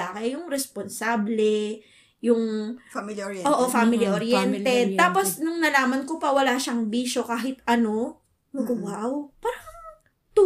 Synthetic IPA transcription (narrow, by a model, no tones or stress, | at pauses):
aːkɐjʊŋɾɛsponsaːblɛ | jʊŋ | ʔoːʔofaːmɪliʔoɾjɛnt̪ɛt̪aːpo̞snʊŋnɐlaːmɐnkopɐwɐlaːʃɐŋbiːʃo̞kaːɦɪt̪ɐno̞ | mɐɡʊwawpaːɾɐŋŋ | t̪u